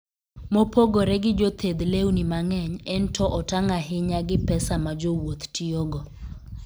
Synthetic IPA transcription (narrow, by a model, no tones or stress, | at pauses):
mopoɡoɾɛɡɪd͡ʒot̪ʰed̪lewnimaŋɛɲɛntʰɔʔɔtaŋaɦɪɲaɡɪpɛsamad͡ʒowot̪tioɡɔ